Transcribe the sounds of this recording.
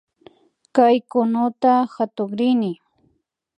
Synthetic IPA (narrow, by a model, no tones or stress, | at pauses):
kajkʊnʊt̪ahat̪oχɾɪnɪ